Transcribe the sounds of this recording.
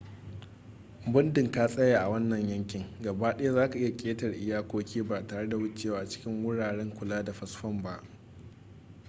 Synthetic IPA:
bʊ˦ndɪ˨ŋkaː˦sʼɐ˦jaː˨ʔa˨wɐ˦nːɐ˨ɲjɐ˦ŋkʲɪ˨ŋɡɐ˨baː˦ɗɐ˦ja˦zaː˦ka˨ʔɪ˦ja˨kʲʼeː˦tɐ˨rʔɪ˦jaː˦kʷoː˦kʲeː˦baː˨taː˨ɽe˦da˨wʊ˦t͡ʃeː˦waː˦˨ʔa˨t͡ʃɪ̥˦kʲɪ˦ŋwʊ˦ɽaː˨ɽɛ˦ŋkʷʊ˨laː˦da˨ɸɐ˦sɸɐ˦mba˦ʔ

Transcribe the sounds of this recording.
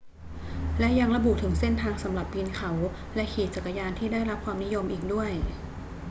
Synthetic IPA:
lɛ˦˥ja˧ŋɾa˧bu˨˩t̪ʰɯ˩˦ŋse˥˩nt̪ʰaː˧ŋsa˩˦mɾa˨˩p̚ːiː˧nkʰa˩˦w | lɛ˦˥kʰeː˨˩t̪̚t͡ɕa˨˩kːa˧jaː˧nt̪ʰiː˥˩daː˥˩jɾa˦˥p̚kʰwaː˧mni˦˥jo˧mʔiː˨˩k̚du˥˩əj

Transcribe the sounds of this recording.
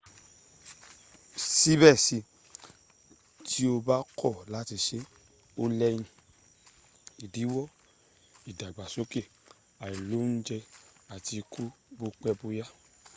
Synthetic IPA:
si˦bɛ˦˨si˧ | tʰi˦o˧ba˦kʰɔ˦˨la˦ti˧ʃe˦ | o˧lɛ˦j̃ĩ˧ | i˨di˨˦wɔ˦˨ | i˨da˨ɡ͡ba˨so˦ke˦˨ | a˨ĩ˨lo˨˦n̩˦d͡ʒɛ˧a˨ti˧kʰu˦bo˧k͡pɛ˦bo˧ja˦

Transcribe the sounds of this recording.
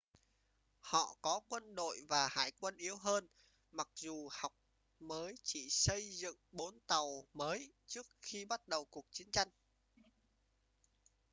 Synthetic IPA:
hɔ̰˧˨kɔ˨˦kwə˧nɗo̰˧˨jvaː˨˩ha̰ː˧˩jkwə˧nʔi˨˦əwɦəː˧n | ma˨˩k̚zu˨˩ha˨˩wk͡p̚ | məː˨˦jt͡ɕḭ˧˨sə˧jzɨ̰˧˨ŋɓo˨˦nt̪a˨˩wməː˨˦jt͡ɕɨ˦˥ək̚xi˧ɓa˦˥t̚ɗə˨˩wku˨˩ək̚t͡ɕi˨˦ənt͡ɕa˧jŋ̟

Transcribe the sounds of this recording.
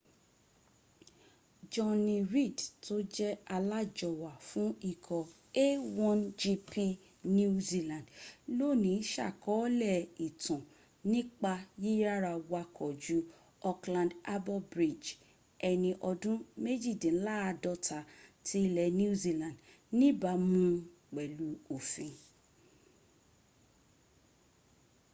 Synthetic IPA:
d͡ʒɔ˧nĩ˧ɾi˦˨dtʰo˦d͡ʒɛ˦a˧la˦d͡ʒɔ˧˨wa˨fũ˦i˦˨kʰɔ˨ | e˦wɔ̃˦nd͡ʒi˧˦pʰi˦ | nũ˦zi˦lã˨dlo˦˨nĩ˨˦ʃa̰˦˨kɔ˨˦lɛ˦˨i˨tã˨ | nĩ˦k͡pa˧je˦a˦˨ɾa˧wa˧kʰɔ˨d͡ʒu˨˦ | ɔ˧klã˧nda˦bɔ˦bɾi˨d͡ʒ | ɛ˧nĩ˧ʔɔ˧dũ˦me˦d͡ʒi˦˨dĩ˨˦la˦a˧dɔ˧ta˧ti˦lɛ˧˨nĩ˦u˦zi˦lã˨n˨d | nĩ˦ba˨˦mũ˦ | k͡pɛ˨lu˨˦o˨fĩ˨˧

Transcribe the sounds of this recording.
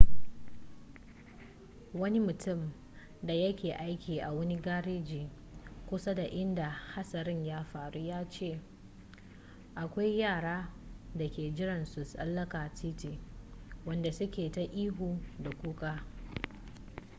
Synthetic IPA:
wɐ˦ni˦mʊ˨tʊ˦˨m | da˨jɐ˦kʲeː˨ʔa˦jkʲiː˨ʔa˨wɐ˦ni˦ɡaː˦ɽeː˦d͡ʒiː˨ | kʷʊ˦sa˦da˨ʔɪ˦nda˨ha˦sɐ˨ɾɪ˦ɲjaː˦ɸaː˨ɽu˦jaː˦t͡ʃeː˦˨ | ʔa˨kʷa˦jjaː˦˨ɽaː˦da˨kʲeː˨d͡ʒɪ˦ɽɐ˨nsʊ˨sɐ̰˦lːɐ˦kaː˨ti˦ti˨wɐ˦nda˨sʊ˦kʲeː˨ta˨ʔiː˦ɦuː˨da˨kʷuː˦kʼaː˦

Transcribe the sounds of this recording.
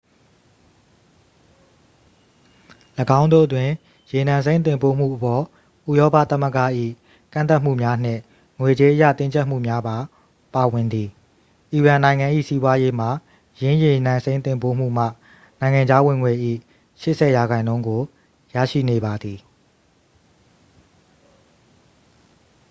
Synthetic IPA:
lə˨ɡã˦ʊ̃ndo̰˦˨ʔətwɪ̃˨ | je˨nã˨ns̬ẽ˦ɪ̃nt̪̬ɪ̃˨mpo˦m̥ṵ˦˨ʔəpɔ˨ | ʔṵ˦˨jɔ˦pä̰˦˨t̪a˦˨mə˦ɡa̰˦˨ʔḭ˦˨ | kã̰˦˨nt̪a˦m̥ṵ˦˨mja˦n̥ɪ̰̃˦˨ | ŋwe˨d͡ʑe˦ʔə˦jä̰˦˨t̪ɪ̃˦ɲt͡ɕʰɛ˦ʔm̥ṵ˦˨mja˦ba˨ | pa˨wɪ̃˨nd̪ði˨ | ʔi˨ɹã˨nã˨ɪ̃ŋã˨ʔḭ˦˨si˦bwa˦je˦m̥a˨ | jɪ̃˦je˨nã˨sẽ˦ɪ̃t̪ɪ̃˨mpo̰˦m̥ṵ˦˨m̥a̰˦˨ | nã˨ɪ̃ŋã˨ɲd͡ʑa˦wɪ̃˨ŋwe˨ʔḭ˦˨ | ʃɪ˦ʔsɛ˨ja˨ɡã˨ɪ̃nõ˦ʊ̃ŋɡo˨ | ja̰˦˨ʃḭ˦˨ne˨ba˨d̪ði˨

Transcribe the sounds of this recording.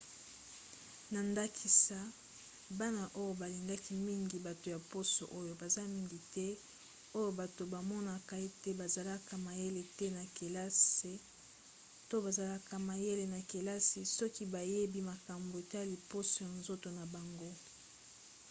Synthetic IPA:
na˨nda˦kʰi˨sa˦ | ba˦na˨ʔo˦jo˦ba˨li˨ŋɡa˦ki˦mi˦ŋɡi˨ba˨to˨ja˨po˦so̰˨ʔo˦jo˨ba˨za˦mi˦ŋɡi˨tɛ˦ | o˦jo˦ba˨to˨ba˨mɔ˦na˨ka˨e˦tɛ˦ba˨za˨la˦ka˨ma˨je˦le˨tɛ˦na˨ke˨la˦se˨˦ | to˦ba˨za˨la˦ka˨ma˨je˦le˨na˨ke˨la˦si˨sɔ˦ki˦ba˨je˦bi˦ma˨ka˨mbo˨e˨ta˦˨li˨po˦so˨ja˨nzo˦to˨na˨ba˨ŋɡo˦

